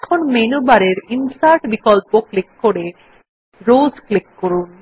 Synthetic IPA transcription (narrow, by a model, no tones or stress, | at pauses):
ɛkʰonmenubaɾeɾinsʈaɾʈbikɔlpoklikːoɽe | ɾozklikːoɾun